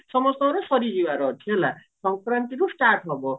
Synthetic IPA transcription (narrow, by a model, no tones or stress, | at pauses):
sʌmʌst̪ʌɾosʌɾid͡ʒiwaɾʌt̪ʰiola | sʌŋkrant̪iɾusʈarʈʰɦʌbo